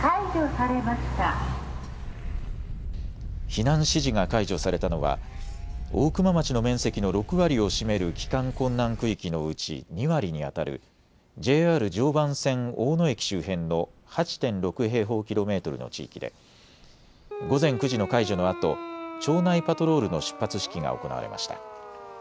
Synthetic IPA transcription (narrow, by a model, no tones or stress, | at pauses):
kaiʑosaɾe̞maɕi̥t̪a | çinãɰ̃ɕiʑiŋakaiʑo̞saɾe̞t̪anoβa̰ | o̞ːkɯ̟mamat͡ɕino̞mẽ̞ɰ̃se̞kʲino̞ɾo̞kɯ̟βaɾʲio̞ɕime̞ɾɯ̟kʲi̥kãŋkõ̞nːãŋkɯ̟ikʲino̞ɯ̟t͡ɕḭɲ̟iβaɾʲiɲ̟ia̰t̪aɾɯ̟̰ | d͡ʑe̞ːaːɾɯ̟d͡ʑo̞ːbãɰ̃sẽ̞ŋo̞ːno̞e̞kʲi̥ɕɨːɦẽ̞nːo̞hat͡ɕi̥t̪ẽ̞nɾo̞kɯ̟ɦe̞ːɦo̞ːkʲiɾo̞me̞ːt̪o̞ɾɯ̟̰no̞̰t͡ɕḭːkʲid̪e̞̰ | ɡo̞zẽ̞ŋkɯ̟ʑino̞kaiʑo̞no̞at̪o̞̰t͡ɕo̞ːnaipat̪o̞ɾo̞ːɾɯ̟no̞ɕɨ̥pːat͡sɨɕi̥kʲiŋa̰o̞̰ko̞na̰βa̰ɾe̞mʔa̰ɕi̥t̪ḁ̰